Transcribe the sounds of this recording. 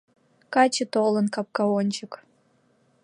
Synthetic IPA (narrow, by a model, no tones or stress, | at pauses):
kɑt͡ɕə̆t̪olə̆nkɑp̚kɑonʲt͡ɕə̆k